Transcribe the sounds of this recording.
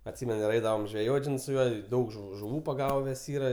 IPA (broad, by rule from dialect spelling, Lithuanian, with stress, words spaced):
ɐtʲˈsʲiːmʲɛnʊ ɪr ˈɛɪdɐʋɐm ʒʲʋʲɛˈjoːtʲ ˈʒʲɪnɐɪ sʊ ˈjuɔ ˈdɐʊk ʒʊ ʒʊˈʋuː pɐˈɡɑːʋʲɛs ˈiːrɐ